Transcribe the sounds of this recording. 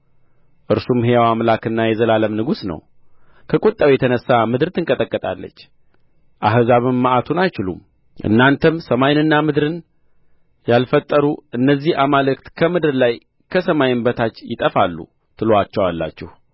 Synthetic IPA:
ʔɨɾsumhejawamlakɨnːajɛzəlaləmnɨɡusnə̰w | kʰəkʼut̪ʼːawjɛt̪ʰənəsːamɨd̪ɨɾt̪ʰɨŋkʼət̪ʼəkʼːət̪ʼalːə̰t͡ʃː | ʔaɦzaβɨmːaʔat̪ʰunajt͡ʃɪlṵm | ʔɨ̰nːant̪ʰəmsəmajnɨnːamɨd̪ɾɨn | jalfət̪ʼːəɾuʔɨnːəzːihamalɨk̚t̪kʰəmɨd̪ɨɾlaj | kʰəsəmajɨnbət̪ʰat͡ʃːjɪt̪ʼəfalːṵ | t̪ʰɨloat͡ʃːɛwalːa̰t͡ʃːɛh

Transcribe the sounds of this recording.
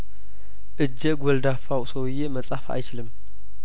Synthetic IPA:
ʔɨd͡ʒːeɡʷɔld̪afawsowjːeməsʼafaʔa̰jt͡ʃɪlɨm

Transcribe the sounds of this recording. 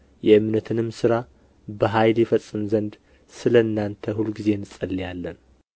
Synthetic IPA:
jɛɨmnət̪ʰɨnɨmːsɨɾa | bəɦajljɛfəsʼːɨmzənd̪ | sɨləɨnːant̪ʰəhulɡize̞nɨsʼəlːijalːən

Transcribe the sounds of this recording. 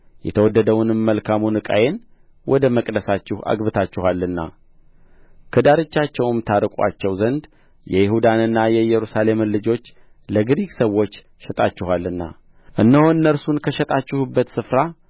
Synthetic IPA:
jɛt̪ʰəwɔd̪ːəd̪əwʊnɨmːəlkʰamunɨkʼa̰jen | wɔd̪əməkʼd̪əsat͡ʃːɪhʔa̰ɡbɨt̪ʰat͡ʃːɪhalːɨnːa̰ | kʰəd̪aɾɨt͡ʃːat͡ʃːɛwmt̪ʰaɾɨkʷʼa̰t͡ʃːɛwzənd̪ | jɛjɪhud̪anɨnːajɛjɛɾusale̞mɨnlɨd͡ʒo̞t͡ʃː | ləɡɨɾiɡsəwːo̞t͡ʃː | ʃɛt̪ʼat͡ʃːɪɦalːɨnːa̰ | ʔɨnːəhoɨnːəɾsunkʰəʃɛt̪ʼat͡ʃːɪhubːət̪sɨfɾa

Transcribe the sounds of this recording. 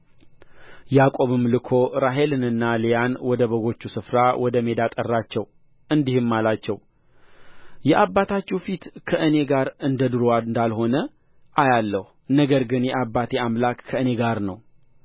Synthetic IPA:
jakʼo̞βɨmːlɨkʰo̞ɾaɦe̞lɨnɨnːalejanwɔd̪əβəɡo̞t͡ʃːusɨfɾawɔd̪əme̞d̪at̪ʼərːat͡ʃːɛw | ʔɨnd̪ihɨmːalat͡ʃːɛw | jɛʔabːat̪ʰat͡ʃːɛwfit̪kʰəʔɨne̞ɡaɾɨnd̪əd̪ɨɾoaɨnd̪alho̞nə | ʔajalːəhunəɡəɾɡɨnjɛʔabːat̪ʰeamlakːʰəɨne̞ɡaɾnəw

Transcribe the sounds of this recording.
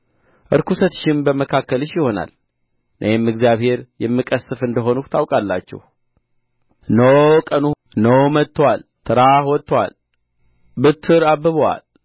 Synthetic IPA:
ʔɨɾkusət̪ʃɪmbəməkʰakːəlɨʃjɪho̞na̰l | nʔə̰jɛmːɨɡzijaβhe̞ɾjɛmːɨkʼəsɨfɨnd̪əɦo̞nut̪ʰawkʼalːat͡ʃːɛ̰h | nəwkʼənu | nəwmət̪ːəwalt̪ʰɨɾahwɔt̪ʼːəwa̰l | bɨt̪ʰːɨɾabːɨβəwa̰l

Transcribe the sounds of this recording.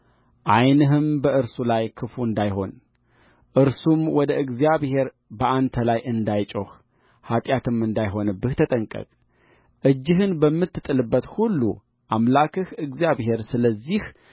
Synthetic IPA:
ʔajnɨɦɨmbəʔɨɾsulajkʰɨfuɨnd̪ajɦo̞n | ʔɨɾsumwɔd̪əʔɨɡzijaβhe̞ɾ | bəʔant̪ʰəlajʔɨnd̪ajt͡ʃʼoh | hat̪ʼjat̪ɨmɨnd̪ajɦo̞nɨbːɨht̪ʰət̪ʼəŋkʼə̰kʼ | ʔɨd͡ʒːɪɦɨnbəmːɨt̪ːɨt̪ʼːɨlɨbːət̪hulːṵ | ʔamlakʰɨhɨɡzijaβhe̞ɾsɨləzːih

